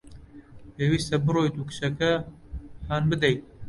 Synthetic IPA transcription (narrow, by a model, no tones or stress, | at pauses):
peːwiːst̪ɐbɨɾoːjt̪uːkɨ̥ʃɐkɛ | ħaːnbɨd̪ɛj